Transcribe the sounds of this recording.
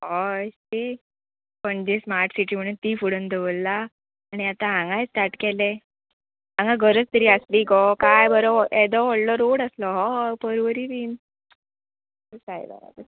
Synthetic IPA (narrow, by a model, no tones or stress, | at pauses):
ɔst̪i | pəɳd͡ʑesmaɾʈsiʈiːm̤əɽ̃ut̪iːfuɽənd̪eʋəlːaː | ɽ̃iat̪ãɦãŋɡajsʈ̪aɾʈkɛle | ãŋɡaɡʱəɾət͡st̪əɾiːəsliːɡɔkajbəɾɔʔed̪ɔʋɔɽlɔɾoɽəslɔɦɔpəɾʋəɾiʋiːn | əsaj̰ba̰ɾa̰d̪ə